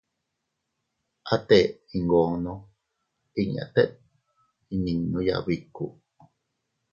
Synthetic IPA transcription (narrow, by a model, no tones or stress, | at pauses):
ʔat̪eiŋɡono | iɲa̰t̪eʔ̚ | ininːuja̰βikṵ